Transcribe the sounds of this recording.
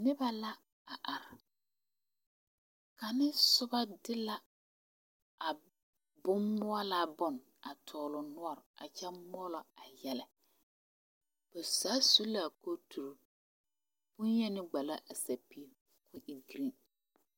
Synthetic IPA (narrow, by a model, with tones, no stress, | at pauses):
nɪ˦ba˦la˦ | a˨ʔa˨ɾɪ˨ | ka˨nɪ˦sʊ˦ba˦dɪ˦la˦ | a˨ | bʊ˦mmːʊ˦ɔ˦la˦˨bɔ˦n | a˨tʰɔː˨lʊ˨nʊ˦ɔ˨ɾa̰˨t͡ʃɛ˦mɔ˦lɔ˨a˨jɛ˦lɛ˨ | b̥ʊ˨saː˨˦su˦la˦˨ko˦tʰu˨ɾo˨ | b̥ʊ˦njɛ˦nɪ˦ɡ͡ba˨la˦ʔa˨sa˨pi˦˨ | kʊ˦ʔi˨ɡɾi˦˨